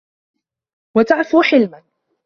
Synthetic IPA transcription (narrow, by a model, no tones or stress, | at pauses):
wat̪aʕfuːħɪlman